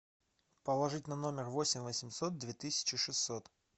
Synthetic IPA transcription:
pəlˠɐʐɨtʲnɐno̞mʲɪrvo̞sʲɪmʲvəsʲɪmʲso̞t̪̚d̪vʲet̪ɨsʲɪ̥t͡ɕɪʂɨsːot̪

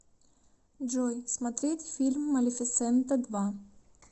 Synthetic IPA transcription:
d͡ʒojsmɐt̪ɾʲet̪ʲfʲilʲmːɐlʲɪfʲɪt̪sɛnt̪ɐd̪va

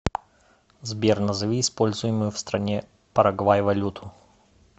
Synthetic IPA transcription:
zbʲernəzɨvʲiɪspo̞lʲzʊjɪmʊjʊfst̪ɾɐnʲe | pəɾɐɡvajvɐlʲut̪ʰʊ̥

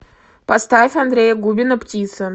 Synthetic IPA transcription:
past̪afʲand̪rʲejaɡubʲɪnɐptʲit̪sʰɨ

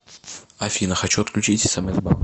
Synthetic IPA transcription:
ɐfʲinəxɐt͡ɕuɐt̪klʲʉt͡ɕitʲɪ̥sɐmɛzba̰lˠ

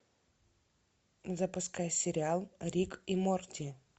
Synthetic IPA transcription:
zəpʊskajsʲɪɾʲɪalˠɾʲikimort̪ʲɪ

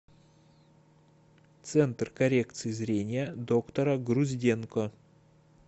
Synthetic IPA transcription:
t̪sɛnt̪rkɐɾʲekt̪sɨjɪzɾʲenʲɪjəd̪okt̪oɾɐɡɾuzʲdʲenko

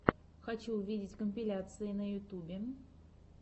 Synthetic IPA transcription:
xɐt͡ɕuvʲidʲɪtʲkəmʲpʲɪlʲat̪sɨɪnəjʊt̪ubʲɪ

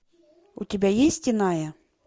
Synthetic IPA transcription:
utʲibʲajesʲtʲinajɐ

